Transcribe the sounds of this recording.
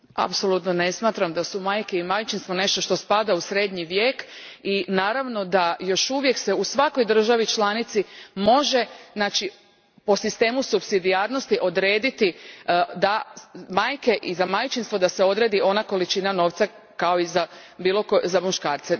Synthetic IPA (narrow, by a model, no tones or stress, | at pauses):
a̰pso̞lˠut̪none̞smaːt̪ɾamd̪asumaːjke̞imajt͡ʃinst̪ʋo̞ne̞ʃt̪o̞ʃt̪o̞spad̪ausɾe̞d̪ɲiʋje̞ːkinaːɾaʋno̞d̪ajo̞ʃuʋje̞kse̞usʋako̞jd̪ɾr̩ʒaʋit͡ʃlanit̪simo̞ʒe̞znaːt͡ʃi | po̞sist̪e̞ːmusupsid̪iaːɾno̞st̪iʔo̞d̪ɾe̞ːd̪it̪id̪amaːjke̞ʔizamajt͡ʃinst̪ʋod̪aseo̞d̪ɾe̞d̪io̞nako̞lit͡ʃinano̞ːʋt̪sa | kao̞iza | biːlo̞kozamuʃkaːɾt̪se